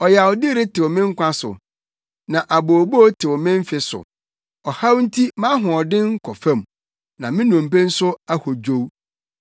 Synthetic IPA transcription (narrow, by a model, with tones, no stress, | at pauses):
ɔ˨ja˨wɔ˨dɪ˦ɾe˦tʰɪ˨wɔ˨mɪ̃˦ŋ̩˦kʷã˦sʊ̰˨ | nã˨ʔa˨bo˨bo˦tʰɪ˨wɔ˨mɪ̃˦m˦fɪ˦sʊ̰˨ | ɔ˨ha˦wn̩˦tʰi˦mã˦ɦʊ̃˨ɔ˨dɪ̃˦ŋ̩˦kʰɔ˨fã˦˨m˨ | nã˨mɪ̃˦nũ˨m˨pe˦n̩˦sʊ˦a˦ho˨d͡ʑo˦w